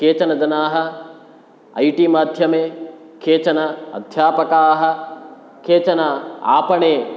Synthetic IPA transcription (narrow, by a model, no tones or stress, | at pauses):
kʰeːt͡ʃɐnɐd͡ʒɐnaːɦɐ̆ | ɐ̰jʈiːmaːd̪ʱjɐmeː | kʰeːt͡ʃɐnɐɐ̰d̪ʱjaːpɐkaːɦɐ̆ | kʰeːt͡ʃɐnɐa̰ːpɐɳeː